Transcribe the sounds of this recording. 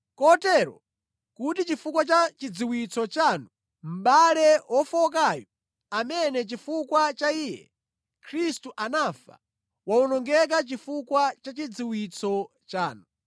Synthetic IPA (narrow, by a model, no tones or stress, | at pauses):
kɔtɛɾɔ̰ | kutit͡ʃifukwat͡ʃat͡ʃid͡ziwit͡sʰɔt͡ʃanu | m̩ɓalɛwɔfɔk̬ajɔ | amɛnɛt͡ʃifukwat͡ʃaijɛ̰ | kʰɾistuʔanafa̰ | waunɔŋɡɛk̬at͡ʃifukwat͡ʃat͡ʃid͡ziwit͡sʰɔ | t͡ʃaːnu